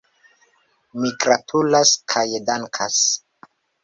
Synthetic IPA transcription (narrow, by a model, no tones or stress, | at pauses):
miɡɾatʰulaskʰajedaŋkʰas